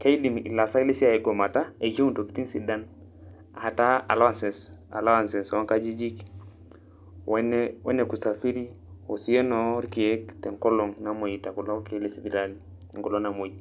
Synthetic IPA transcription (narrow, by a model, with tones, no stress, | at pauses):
ka˦i˦di˨mḭ˨la˨sa˦i˦le˦si˦a˨e˨ɡo˨ma˨ta˦e˨d͡ʒe˦u˦nto˨ki̥˦ti˦ŋsi˨da˦n | a˨ha˨ta˦a̰˨la˦wa˦nsɛ˨sa̰˨la˦wa˨nsɛ˨swa˦ka˦d͡ʒi˦d͡ʒi˦k | we˦newḛ˦ne˨ku˨sa˨fi˦ɾi˦ | o˨si˦e˦no˨˦ɾi˦ki˨e˦k̚te˨ŋko˦lo˨ŋna˨mo˨ji˨ta˨ku˨lo˦ke˦le˨si˨bi˨ɾa˦li˨ | ŋkɔ˨lo˦ŋna˨mo˨ji